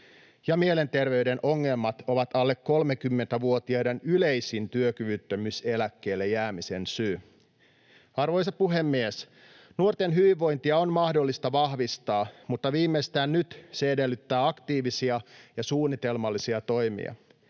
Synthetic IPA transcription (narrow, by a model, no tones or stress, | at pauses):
jɑmiele̞nt̪e̞rʋe̞yde̞nʔo̞ŋːe̞lmɑt̪o̞ʋɑt̪ɑlːekːo̞lmekymːent̪æʋuo̞t̪iɑde̞nyle̞jsint̪yøkyʋyt̪ːømyse̞lækːe̞ːlːejːæːmise̞nsyː | ɑrʋo̞jsɑpuɦe̞mːies | nuort̪enɦyʋiʋːo̞jnt̪iɑonmɑhdo̞lːist̪ɑʋɑhʋist̪ɑːmut̪ːɑʋiːmːest̪æːnnyt̪se̞ede̞lːyt̪ːæːɑkt̪iːʋisiɑjɑsuːnːit̪e̞lmɑlːisiɑt̪o̞jmḭɑ̰